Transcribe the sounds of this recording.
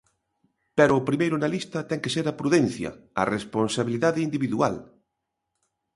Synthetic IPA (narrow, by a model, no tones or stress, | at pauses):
pɛɾʊːpɾimejɾʊnalist̪ɐt̪ɛŋkeseɾɐpɾuðɛnθjɐ̰ɐ̰responsaβiliðaðɪind̪iβiðua̰l